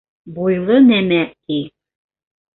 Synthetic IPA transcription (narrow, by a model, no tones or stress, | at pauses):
bujlˠɤnæmæki